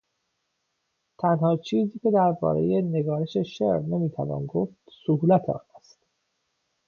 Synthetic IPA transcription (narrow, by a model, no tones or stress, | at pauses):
t̪ʰænhɒːt͡ʃʰiːziːce̞d̪æɾbɒ̰ːɾe̞̰je̞ne̞ɡɒːɾe̞ʃe̞ʃḛɾnemiːt̪ʰævɒ̰ːnɡoft̪sohuːlæt̪ʰeɒ̰ːnæst̪